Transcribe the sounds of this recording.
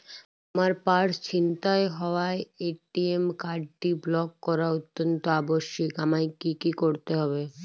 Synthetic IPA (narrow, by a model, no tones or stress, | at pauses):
amaɾpaɾt͡ɕint̪aeɦɔoaeeʈiemkaɖ̚ʈiblɔkːɔɾaot̪ːont̪oaboʃːikamajkːikikoɾt̪eɦɔbe